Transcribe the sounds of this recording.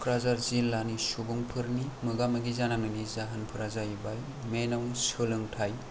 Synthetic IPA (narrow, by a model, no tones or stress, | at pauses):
kʰɾazaɾzilːanisubuŋpʰɯɾnimɯɡamɐɡizanaŋɯnizaɦanpʰɯɾazajbaj | menawsɯlɯŋtʰaj